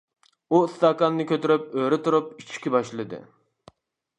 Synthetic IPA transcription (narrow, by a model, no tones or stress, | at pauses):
uɨst̪ɑkɑnːɨkʲʰøt̪yɾyp̚øɾɪt̪ʰuɾup̚it͡ʃʰi̥kʲibɑʃlˠɨd̪ɨ̰